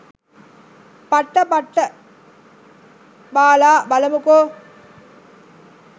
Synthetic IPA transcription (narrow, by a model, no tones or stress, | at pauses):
pɐʈːɐbɐʈːɐ | baːlaːbɐlɐmukoː